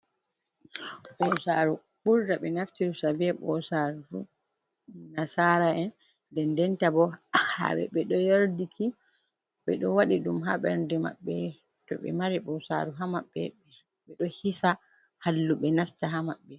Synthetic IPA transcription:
ɓɔsaɾu | ɓuɾdaɓɛnaftiɾusabiɛɓɔsaɾɾu | nasaɾaɛn | dɛndɛntabɔha̰ɓɛ̰ɓɛɗɔjoɾdikʰi | ɓɛɗɔwaɗiɗumɦaɓɛ̰ɾndɛma̰ɓːɛ | tɔ̰ɓɛ̰maɾiɓɔsa̰ɾuɦamaɓːɛɓɛ | ɓɛɗɔhisa | halːuɓɛnastaɦamaɓːɛ

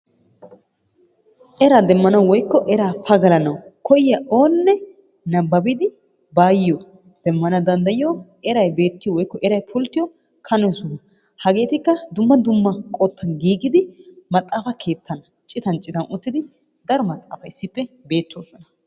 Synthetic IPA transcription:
ʔɛɾaːd̪ɛmːɐnɐwwɔjkːɔʔɛɾaːfɐɡɐlɐnɐwkʰɔjɪjɐʔo̞ːnːɛ | nɐbːɐbɪd̪ɪ | baːjɪjɔ | d̪̥ɛmːɐnɐd̪ɐnd̪ɐjɪjo | ɛɾɐjbe̞ːt̪ːɪjɔwɔjkːɔʔɛɾɐjpʰʊlt̪ːɪjɔ | kʰɐnɛsʊnɐ | hɐɡe̞ːt̪ɪkːɐd̪ʊmːɐd̪ʊmːɐkʼot̪ʰːɐnɡiːɡɪd̪ɪmɐt̪ʼːaːfɐkʰe̞ːt̪ːɐnɐ | t͡ʃʼɪt̪ɐnt͡ʃʼɪt̪ɐnʊt̪ːɪd̪ɪ | d̪ɐɾɔmɐt̪ʼːa̰ːfɐɪsːɪpːɛbe̞ːt̪ːoːsɔnɐ

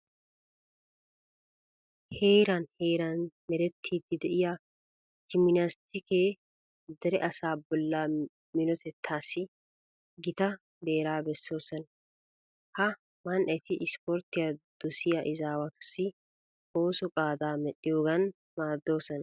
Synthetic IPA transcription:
he̞ːɾɐnheːɾanmɛɾɛt̪ʰːiːd̪ɪd̪ɛʔɪja | d͡ʒɪmɪnast̪ɪkeː | d̪ɛɾɛʔɐsaːbɔlːaː | mɪnɔt̪ɛt̪ʰːaːsɪ | ɡɪt̪ɐ | d̪eːɾaːbɛsːo̞ːsɐn | hɐ | mɐnʔɐt̪ɪʔɪspɔːɾt̪ːɪjɐd̪̥ɔsɪjɐʔɪzaːwɐt̪ʊ̥sɪ | ʔoːsɔkʼaːd̪aːmɛᶑɪjoːɡɐn | maːd̪ːo̞ːsɐn

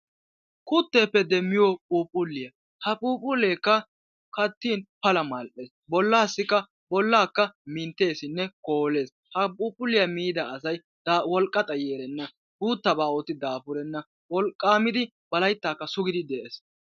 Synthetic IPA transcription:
kʰʼʊt̪ːe̞ːpːɛd̪ɛmːɪjopʼuːpʼːʊlːɪjɐ | hɐpʼuːpʼʊle̞ːkːɐ | kɐt̪ːiːnpɐlɐmɐlʔeːsbɔlːaːsːɪkːɐ | bɔlːaːkːɐmɪnt̪ːe̞ːsɪnːɛko̞ːle̞ːs | hɐpʼuːpʼːʊlːɪjɐmiːd̪ɐɐsɐj | d̪wɔlkʼːɐt̪ʼɐjeːɾɛnːɐ | buːt̪ːɐbaːot̪ːɪd̪aːpʊɾɛnːɐ | wɔlkʼːaːmɪd̪ɪ | b̥ɐlɐjt̪ːaːkːɐsʊɡɪd̪ɪd̪ɛʔeːs

